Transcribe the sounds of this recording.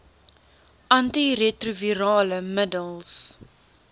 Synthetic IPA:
ʔɐntiretruviɾɑːləmədəlˠs

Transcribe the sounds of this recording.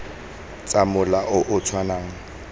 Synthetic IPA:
t͡sʼamʊlaʔʊʔʊtʰwanaːŋ̩

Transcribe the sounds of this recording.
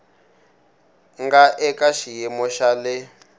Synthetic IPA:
ŋɡaʔɛkaʃijɛmɔʃalɪ

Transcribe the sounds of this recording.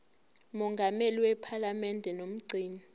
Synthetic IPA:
mɔŋɡʱameliwɛpʰalamɛndʱɛnom̩ɡ͡ǀʱiːni

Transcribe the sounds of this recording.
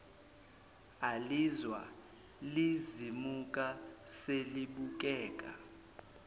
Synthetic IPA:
alizwa̰ | lizimukʼaseliɓuk̬ʼɛːkʼa̰

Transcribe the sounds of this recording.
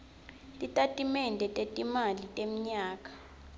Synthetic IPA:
tʼitʼatʼimɛndʱɛtʼetʼimalitʼem̩ɲaːkʼḁ

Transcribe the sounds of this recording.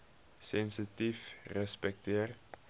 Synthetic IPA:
sɛnsitifrɛspɛk̚t̪eːr

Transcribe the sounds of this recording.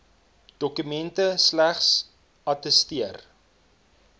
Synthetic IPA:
d̥ɔkymɛntəslæχs | ɐtəstiər

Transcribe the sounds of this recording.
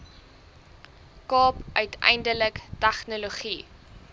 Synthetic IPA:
kɑːpœɥtʰɛ̰jndələktæχnoloχi

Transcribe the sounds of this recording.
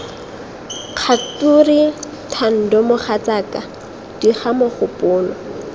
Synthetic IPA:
q͡χʰat͡suri | tʰan̩dɔmʊχat͡saːka | d̥iχamʊχʊpʼʊːlɔ

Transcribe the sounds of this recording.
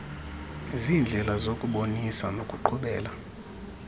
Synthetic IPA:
zind͡ɮʱɛlazokʼuɓonisanokʼuǃʰuɓɛːla

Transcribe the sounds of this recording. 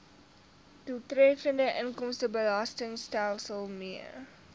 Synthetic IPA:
tutrɛfəndəʔənkɔmstəbəlɑstəŋstælˠsəlˠmiər

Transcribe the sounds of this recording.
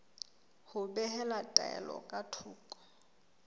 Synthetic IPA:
hʊbɛhɛlatʼaɛ̰lɔ̰kʼatʰuːkʼɔ̥

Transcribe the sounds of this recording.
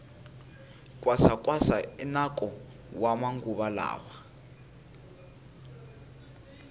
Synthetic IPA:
kʼwasakʼwasainakʼɔ | wamaŋɡuɓala̰ːwa

